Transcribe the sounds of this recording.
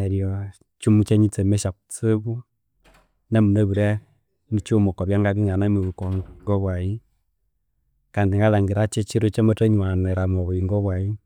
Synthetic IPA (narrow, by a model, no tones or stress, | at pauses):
ɛɾjɔ | t͡ʃumut͡ʃeɲit͡semɛʃaku̥t͡seβw | namuneβuɾɛ | nit͡ʃːmokɔβjaŋɡaβiŋanamiβukɔŋɡɔβwai | kandiŋɡalaŋɡiɾat͡ʃet͡ʃiɾot͡ʃemoteɲanɛɾamɔβoiŋɡɔβwai